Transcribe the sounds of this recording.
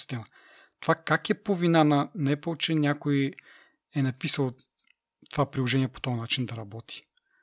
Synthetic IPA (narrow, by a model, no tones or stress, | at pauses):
st̪ɛmɐ | t̪ovakakɛpovinanɐnɐɛpəlˠt͡ʃɛnʲakoji | ɛnɐpisəlˠ | t̪ovapɾilˠoʒɛniɛpo̥t̪ɔɐnat͡ʃind̪ɐɾɐbɔt̪ʰi̥